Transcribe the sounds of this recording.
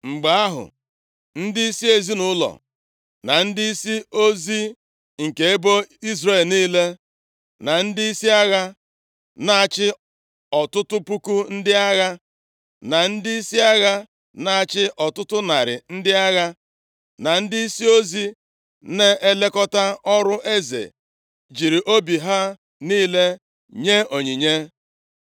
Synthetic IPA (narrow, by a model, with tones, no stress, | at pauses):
ŋ͡m̩˨ɡ͡ba˨a˦ɦʊ̰˨ | n̩˦dɪ˦i˦si˦e˨zi˦nʊ˨˦lɔ̰˨ | na˨n̩˦dɪ˦i˦si˦o˦zi˦ | ŋ̩˨ke˨e˦bo˦i˦zre˦˨lniː˦le˦ | na˨n̩˦dɪ˦i˦si˦a˦ɣa˦ | na˦a˨t͡ʃɪ˦ | ɔ˨tʊ˦tʊ˦pu˦ku˦n̩˦dɪ˦a˦ɣa˦ | na˨n̩˦dɪ˦i˦si˦a˦ɣa˦ | na˦a˨t͡ʃɪ˦ʔɔ˨tʊ˦tʊ˦na˨ɾɪ̰˨n̩˦dɪ˦a˦ɣa˦ | na˨n̩˦dɪ˦i˦si˦o˦zi˦ | ne˦ʔe˦le˦kɔ˦ta˦ɔ˦ɾʊ˦ʔe˦zḛ˨ | d͡ʒi˨ɾi˨ʔo˦bi˨ɦa˦ | niː˦le˦ | ɲe˦o˨ɲi˨ɲe˦